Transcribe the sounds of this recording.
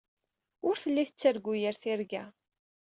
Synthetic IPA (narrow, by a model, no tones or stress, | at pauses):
ʊɾθəlːiθət͡sːəɾɡːujəɾθiɾɡæ